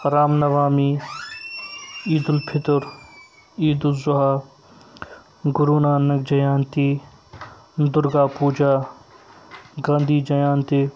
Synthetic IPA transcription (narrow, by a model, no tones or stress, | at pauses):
ɐɾaːmnɐʋaːmiː | iːd̪ʊlpʰɪt̪ʊɾ | iːd̪ʊlzʊɦaː | ɡʊɾuːnaːnɐk̚d͡ʒɐjaːnt̪iː | d̪ʊɾɡaːpuːd͡ʒaː | ɡãːnd̪iːd͡ʒɐjaːnt̪iː